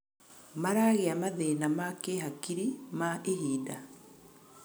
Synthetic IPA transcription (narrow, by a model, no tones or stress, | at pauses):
maɾaɣeamaðenamakeɦakiɾimaʔeɦiːda